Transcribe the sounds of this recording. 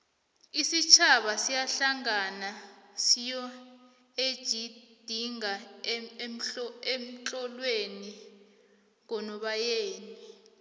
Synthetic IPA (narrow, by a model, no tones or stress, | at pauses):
isit͡ʃʰaɓasijaɬaŋanasijɔ | ed̥ʒ̥ʱid̥ʱiŋa | m̩em̩t͡ɬʼɔlweni | ŋkɔnɔɓajeːni